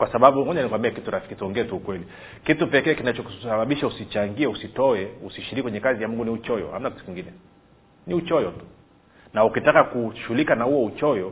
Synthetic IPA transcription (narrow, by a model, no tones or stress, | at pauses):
kwasaɓaɓuŋɔɲanikuwambiakituɾafi̥kitɔŋɡɛːtuːkwɛli | kitupɛkɛːkinat͡ʃɔsaɓaɓiʃausit͡ʃaŋɡiɛusitɔɛusiʃiɾikikwɛɲɛkazijamuŋɡuniut͡ʃɔjɔ̰ha̰mnaki̥tukiŋɡinɛ | niut͡ʃɔjɔtu̥ | naukitakakuʃulikanahuɔut͡ʃɔjɔ